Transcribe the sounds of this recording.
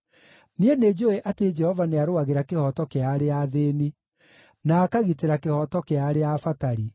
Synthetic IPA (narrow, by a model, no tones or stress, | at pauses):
niened͡ʒoeʔated͡ʒɛhɔvaneaɾoaɣeɾakehɔtɔkeaɾeaðeni | naːkaɣiteɾakehɔtɔkeaɾeafataɾi